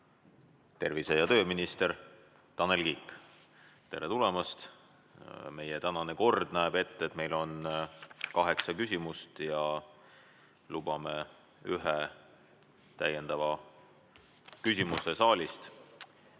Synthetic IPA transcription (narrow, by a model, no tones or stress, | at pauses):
t̪e̞rvise̞jɑt̪ø̞ːminist̪eɾ | t̪ɑnːe̞lkiːkːˑ | t̪e̞ɾet̪ulemɑst̪ | me̞jet̪ænɑne̞ko̞rd̪̥næeb̥e̞t̪ːe̞t̪me̞jlo̞n | kɑɦe̞ksɑkysʲimust̪jɑ | lub̥ɑme | yɦe | t̪æjend̪̥ɑvɑ | kysʲimuse̞sɑːlʲist̪